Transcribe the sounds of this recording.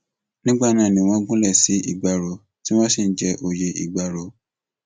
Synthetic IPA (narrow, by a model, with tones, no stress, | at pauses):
nĩ˦ɡ͡ba˦˨nãː˨˦˨nĩ˨w̃ɔ̃˧ŋ̩˦ɡũ˦lɛ˦˨si˨˦ʔḭ˨ɡ͡ba˨ɾo˧ | ti˦w̃ɔ̃˦si˦˨n̩˦d͡ʒɛ˦ʔo˧je˧ʔḭ˨ɡ͡ba˨ɾo˧